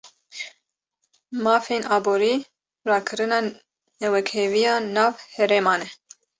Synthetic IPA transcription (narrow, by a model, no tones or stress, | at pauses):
mɑːfeːnɑːboːɾiː | rɑːkʰɨɾɨnɑː | nɛwɛkheːvijɑːnɑːvhɛɾeːmɑːnɛ